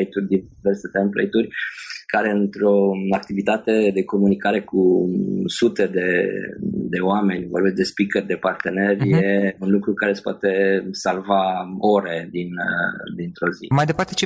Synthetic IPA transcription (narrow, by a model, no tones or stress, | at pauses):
jt̪ud̪iverse̞t̪emplḛjt̪urʲkaɾe̞ɨnt̪ɾo̞ak̚t̪ivit̪at̪e̞d̪e̞ko̞munikaɾe̞ku | sut̪e̞d̪e̞ | d̪e̞oame̞nʲvo̞rbet͡ssʲd̪e̞spikerd̪e̞part̪e̞ne̞rʲje̞unlukɾukaɾese̥poa̰t̪e̞salvao̞ɾe̞d̪ind̪int̪ɾo̞zḭmajd̪e̞part̪et͡ʃe